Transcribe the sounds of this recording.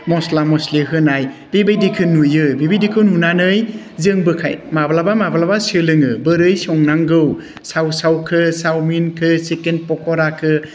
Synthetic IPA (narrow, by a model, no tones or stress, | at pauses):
mɔslamɔsleɦɯnajbebajdikʰɯnujɯbibijdikʰɯnunanɯj | zɯŋbɯkʰa̰jmablabamablabasɯlɯŋɯbɯɾɯjsɔŋnaŋɡɯw | sawsawkʰɯsawminkʰɯsekenpɔkʰɔɾakʰɯ